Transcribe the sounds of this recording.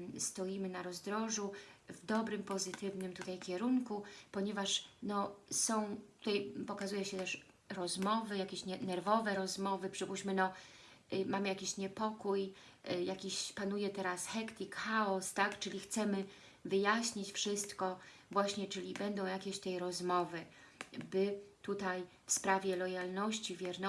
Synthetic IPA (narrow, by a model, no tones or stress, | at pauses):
st̪ɔjimɘnaɾɔzd̪ɾɔʐuvd̪ɔbɾɘmpɔzɘt̪ɘvnɘmt̪ut̪ajkʲɛɾuŋkupɔɲɛvaʂnɔsɔ̃w̃t̪u̥t̪ajpɔkazujɛɕɛt̪ɛʂ | ɾɔzmɔvɘjakʲeɕɲɛnɛɾvɔvɛɾɔzmɔvɘpʂɘbuɕmɘnɔ | mamɘjakʲiɕɲɛpɔkujjakʲiɕpanujɛt̪ɛɾasxɛkt̪ʲikxaɔst̪akt͡ʂɘlʲixt̪sɛmɘ | vɘjaɕɲit͡ɕfʂɘst̪kɔ | vwaɕɲɛt͡ʂɘlʲibɛnd̪ɔ̃w̃jakʲeɕt̪ɛjɾɔzmɔvɘ | bɘt̪ut̪aj | fspɾavʲjɛlɔjalnɔɕt͡ɕivʲjɛɾnɔ